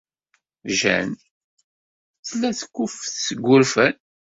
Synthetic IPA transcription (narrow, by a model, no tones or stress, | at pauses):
ʒæ̰n | θlːæθə̥kʷːʊfθsəɡʷːʊɾfən